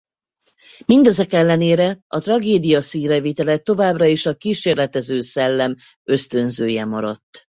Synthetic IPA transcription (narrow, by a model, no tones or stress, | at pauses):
mind̪ɛzɛkɛlːɛneːɾɛʔɒt̪rɒɡeːd̪ijɒsiːrɛveːt̪ɛlɛt̪o̞vaːbrɒeʃɒkiːʃeːrlɛt̪ɛzøːsɛlːɛm | ø̞st̪ø̞nzøːjɛmɒɾɒ̰t̪ː